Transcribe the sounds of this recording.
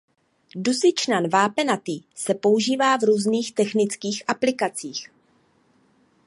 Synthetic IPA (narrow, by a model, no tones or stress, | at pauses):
dusɪt͡ʃnanvaːpɛnat̪iːsɛpo̞uʒiːvaːvɾuːzniːxt̪ɛxnɪt͡skiːxʔaplɪkat͡siːx